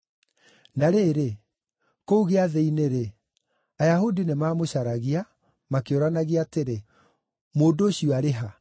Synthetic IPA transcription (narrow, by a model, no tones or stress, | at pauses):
naɾeːɾe | kouɣeaðeineɾe | ajaɦudinemaːmoɕaɾaɣia | makeoɾanaɣiaːteɾe | moːdoɕiɔaɾeɦa